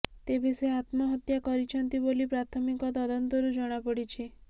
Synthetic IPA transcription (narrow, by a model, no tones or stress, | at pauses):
t̪ebiseat̪mɔɦɔt̪jakɔɾit͡ʃʰɔnt̪ibolipɾat̪ʰɔmikɔt̪ɔd̪ɔnt̪ɔɾud͡ʒɔɽ̃apɔɽit͡ʃʰi